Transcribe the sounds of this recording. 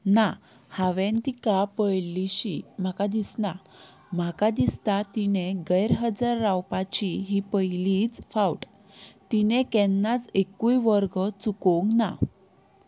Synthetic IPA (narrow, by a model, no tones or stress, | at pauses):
na | haʋẽnt̪ikapəjliɕim̤akad̪isna | m̤akad̪ist̪at̪ineɡəjɾɦəd͡zaɾːawpat͡ɕiɦipəjlit͡sfawʈ | t̪inekɛnːat͡sekujʋəɾɡət͡sukoŋɡna̰